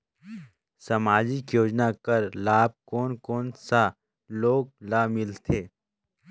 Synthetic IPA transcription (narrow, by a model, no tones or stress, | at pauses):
sɐmaːd͡ʒikjoːd͡ʒnakəɾlaːb̚koːnkoːnsa | loːɡ̚lamɪlt̪ʰeː